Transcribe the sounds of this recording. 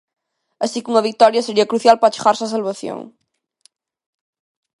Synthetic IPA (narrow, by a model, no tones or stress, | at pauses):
ɐsikuŋɐβik̚t̪ɔɾjɐseɾiɐkɾuθjalpɾat͡ʃe̥ɣaɾsas̬ɐlβɐθjo̰ŋ